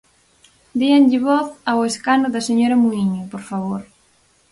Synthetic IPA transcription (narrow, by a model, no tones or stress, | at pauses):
d̪ianʎɪβɔθaweskanʊðɐseɲoɾɐmuiɲopoɾfaβoɾ